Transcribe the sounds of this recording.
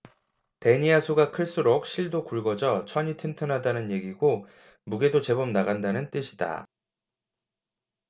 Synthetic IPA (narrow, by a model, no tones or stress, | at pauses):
te̞ɲiasʰuɡakʰɯɭs͈ɯɾok̚ɕ͈iɭdokuɭɡʌd͡ʑʌt͡ɕʰʌɲitʰɯntʰɯnɦadanɯnje̞ɡiɡo | muɡe̞dot͡ɕe̞bʌmnaɣandanɯnt͈ɯɕʰida̰